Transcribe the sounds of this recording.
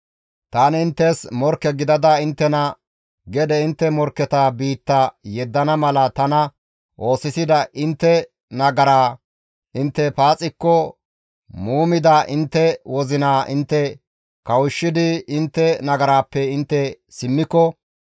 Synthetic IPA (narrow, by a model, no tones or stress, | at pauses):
t̪aːnɪnt̪ːɛsmɔɾkːɛɡɪd̪ɐd̪ɐɪnt̪ːɛnɐ | ɡɛd̪ɛɪnt̪ːɛmɔɾkːɛt̪abiːt̪ːɐjɛd̪ːɐnɐmɐlɐt̪ɐnɐ | ʔo̞ːsɪsɪd̪ɐʔɪnt̪ːɛ | nɐɡɐɾaː | ʔɪnt̪ːɛpaːt͡sʼɪkːɔ | muːmɪd̪aʔɪnt̪ːɛwɔzɪnaːʔɪnt̪ːɛ | kɐwɪʃːɪd̪ɪɪnt̪ːɛnɐɡɐɾaːpːɛɪnt̪ːɛ | sɪmːɪkːɔ